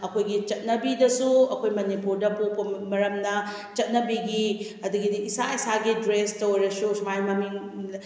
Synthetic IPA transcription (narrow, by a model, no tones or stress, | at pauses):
ɐkʰojɡit͡ʃɐt̚nɐbidɐsuɐkʰojmɐnipuɾdɐpopɐmɐɾɐmnɐ | t͡ʃɐt̚nɐbiɡi | ɐd̪uɡidiːsaisaɡidɾestɐwɾɐsusmajmɐmiŋ